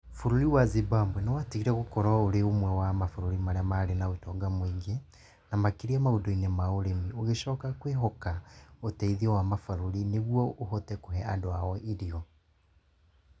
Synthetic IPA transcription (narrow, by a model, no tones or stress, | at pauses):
foɾoɾiwazibambwɛnɛwatiɣiɾɛɣokɔɾaoɾeomwɛwamafoɾoɾimaɾeamaɾenaotɔɡamwiːŋɡe | namakiɾiamaudɔinemaoɾemioɣeʃɔːkakweɦɔkaotɛiðiɔwamafaɾoɾineɣwɔohɔtɛkoɦɛandoaɔiɾiɔ